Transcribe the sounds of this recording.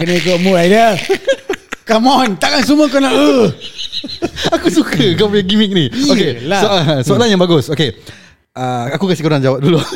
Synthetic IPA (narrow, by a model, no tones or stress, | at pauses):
kənə̃ikomuajdə | kamɔnt̪aʔkansuməkonaʔə | akusukəkɔpiaɡimɪk̚niokesoasoalanjãŋbaɡʊsoke | ʔəakukasikuɾand͡ʒawap̚dulu